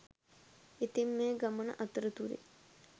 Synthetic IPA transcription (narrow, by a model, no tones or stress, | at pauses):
it̪imːeːɡamənə̰ʔɐt̪əɾət̪uɾḛ